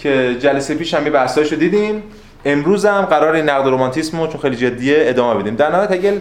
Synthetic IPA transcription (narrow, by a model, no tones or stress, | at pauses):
cʰed͡ʒælesejpiːʃhæmjibæst̪ɒːʃod̪iːd̪iːm | e̞mɾuːzæmɢæɾɒːɾeiːnːæɣd̪oɾomɒnt̪ʰismot͡ʃʰonxejliːd͡ʒe̞d̪ːijeːd̪ɒːmebe̞d̪iːmd̪æɾnæːjt̪ʰæɡʲel